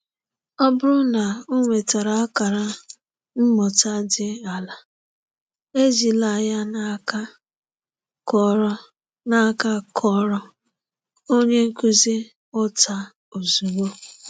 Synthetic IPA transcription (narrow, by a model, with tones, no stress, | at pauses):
ɔ˦bʊ˦ɾʊ˦na˨o˦ŋʷe˨ta˨ɾa˨a˦ka˨ɾa˦ | m̩˦mɔ˨ta˦dɪ˦a˨la˨ | e˦zi˨la˨ja˦na˦ka˦ | kɔ˦ɾ | na˦ka˦kʰɔ˦ɾɔ˦ | o˦ɲe˦ŋ̩˦ku˦zi˦ | ʊ˦ta˦ | o˨zu˨wo˦